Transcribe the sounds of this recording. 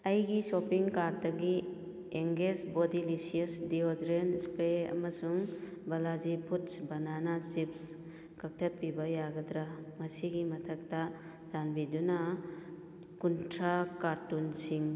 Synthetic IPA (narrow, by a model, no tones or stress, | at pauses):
ɐjɡisopiŋkaɾtɐɡi | eŋɡesbodilisiɐsdiodɾenspeɐ̰mɐsuŋbɐlazipʰutsbɐnanat͡ʃips | kɐk̚tʰɐt̚pibɐjaɡɐd̪ɾamɐsiɡimɐtʰɐk̚ta | zanbidunɐ | kuntʰɾakaɾtunsiŋ